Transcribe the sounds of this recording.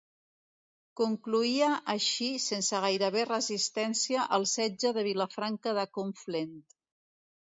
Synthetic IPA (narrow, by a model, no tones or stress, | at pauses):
kuŋkluiəʔəʃisensəɣ̞ajɾəβerəzist̪ɛnsiəʔəlˠsɛd͡ʒəðəβ̞iləfɾaŋkəðəkuɱflent̪